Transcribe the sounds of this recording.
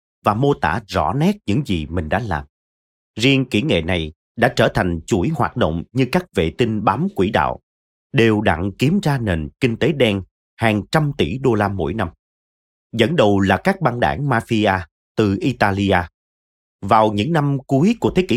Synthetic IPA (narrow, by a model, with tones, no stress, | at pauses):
vaː˨˩mo˧t̪a̰ː˧˥zɔ̰˧˥nɛ˦˥t̚ɲɨ̰˧˥ŋzi˨˩mï˨˩ŋ̟ɗa̰ː˧˥la̰ː˨˩m | zi˧əŋkḭ˧˩ŋḛ˧˨na˨˩j | ɗa̰ː˧˥t͡ɕəː˧˩t̪ʰa˨˩jŋ̟t͡ɕu˧˩jhwaː˨˩t̚ɗə̰˧˨wŋ͡mɲɨ˧kaː˦˥k̚vḛ˧˨t̪i˧nɓaː˨˦mkwi˧˩ɗa̰ː˧˨w | ɗe˨˩wɗa̰˧˨ŋki˨˦əmzaː˧ne˨˩nkï˧ŋ̟t̪e˨˦ɗɛ˧ŋ | haː˨˩ŋt͡ɕa˧mt̪i˧˩ɗo˧laː˧mo̰˧˥jna˧m | zə̰˧˥nɗə˨˩wlaː˨˩kaː˦˥k̚ɓaː˧nɗa̰ː˧˩ŋmaː˧fi˧aː˧ | t̪ɨ˨˩ʔi˧t̪aː˧li˧aː˧ | vaː˨˩wɲɨ̰˧˥ŋna˧mku˨˦əjku˧˩ət̪ʰe˨˦ki˧˨